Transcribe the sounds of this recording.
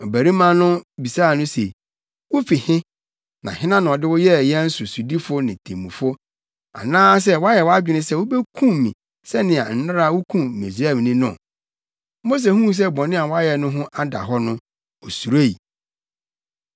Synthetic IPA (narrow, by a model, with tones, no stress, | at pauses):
ɔ˨bæ˨ɾĩ˦mã˦nʊ̃˦bi˨saː˦˨nʊ̃˦se˨ | wʊ˦fi˨hɪ̃˦ | nã̰˨ɦɪ̃˦nã˦nʊ̃˨ɔ˨dɪ˦wʊ˦jɛ˦˨jɛ˦n̩˦sʊ˨su˨di˦fʊ˦nɪ̃˨tʰḛ̃˨mũ˨fʊ˦ | a̰˨nãː˦s̬ɛ˦wɔ˦a˦jɛ˨wɔ˦a˦d͡ʑᶣɪ˨nɪ̃˦sɛ˦˨wʊ˦bɛ˦kʰũ˦˨mĩ˨ | sɛ˦nɪ̃˨a˨n̩˨na˦ɾa˦˨wʊ˦kʰũ˦me˨s̬ɛ˦˨m˨nĩ˦nʊ̰̃˦˨ | mo˦s̬e˨hũ˦s̬ɛ˦bɔ̃˨nɪ̃˦a˨wɔ˦a˦jɛ˨nʊ̃˦ɦʊ̃˦ʔa˦da̰˨ɦɔ˦nʊ̃˦ | ɔ˨su˨ɾe˦˨i˨